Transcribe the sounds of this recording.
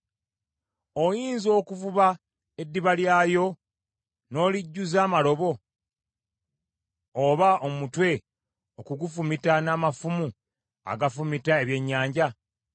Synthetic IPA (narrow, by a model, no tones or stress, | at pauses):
o̞jiːnzo̞ːkuvuβa | e̞dːiβaljaːjo̞ | no̞ːliɟːuzaːmalo̞βo̞ | βaʔomutwe̞ | okuɡufumitanaːmafumu | a̰ɡafumitae̞βje̞ɲːaːɲɟa